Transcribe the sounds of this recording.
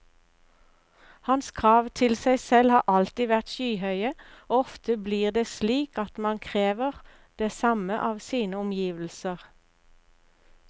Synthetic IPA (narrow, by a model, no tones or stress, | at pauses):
hɑnskʰʁɑːʋt̪ʰɪlsæɪsɛlhɑːʔɑlt̪iːʋæʁt̪ʃyːhœʏəoːɔft̪əbliːʁd̪eːsliːkɑt̪mɑnkʰʁeːʋəʁ | d̪̥eːsɑməʔɑːʋsiːnəʊmjiːʋl̩səʁ